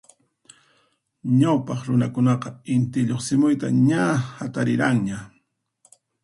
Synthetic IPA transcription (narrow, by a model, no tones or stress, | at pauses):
ɲawpɑχɾʊnakʊnɑqɑɪnt̪ɪʎoχsɪmʊjt̪a̰ɲahat̪aɾɪɾaŋɲa